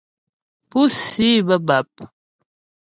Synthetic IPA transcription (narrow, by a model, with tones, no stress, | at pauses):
pu˦si˦bə˦ba˨p̚